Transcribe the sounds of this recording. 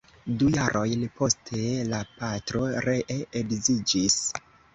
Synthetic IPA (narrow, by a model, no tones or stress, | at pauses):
dujaɾʔo̞jnpo̞stʰe̞lapatɾo̞ɾe̞ʔeekzid͡ʒis